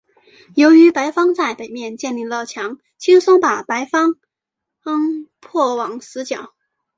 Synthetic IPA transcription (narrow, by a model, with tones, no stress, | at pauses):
jo˧˥ʊy˧˥pa˧˥ɪfɑ˥ŋt͡sa˥˩ɪpe˨˩ɪmjɛ˥˧nt͡ɕjɛ˥˧nli˥˧lɑ˥˩ʊt͡ɕʰjɑ˧˥ŋ | t͡ɕʰi˥ŋsʊ˥ŋpa˨˩pa˧˥ɪfɑ˥ŋ | ɤ˥ŋpʰwɔ˥˩wɑ˨˩ŋsɹ̩˧˥t͡ɕjɑ˨˩˦ʊ